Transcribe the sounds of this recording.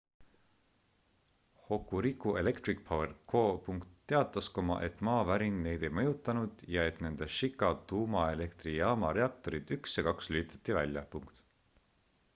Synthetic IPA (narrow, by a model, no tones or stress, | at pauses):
ho̞kːuɾikːˑue̞̰le̞kt̪ɾik̚pʰɑwerkʰo̞ːpuŋkt̪ːe̞ɑt̪ˑːɑskomɑ̰ʔe̞t̪ːmɑːvæɾinːe̞jd̪e̞jmɤjut̪ːˑɑnud̪̥jɑe̞t̪ne̞nd̪̥e̞ʃikːˑɑt̪uːmɑe̞le̞kt̪rijɑːmɑɾe̞ɑk̚t̪o̞ɾid̪̥yksjɑkɑkslyit̪ɑ̥t̪ːˑivælʲjɑ̰puŋkt̪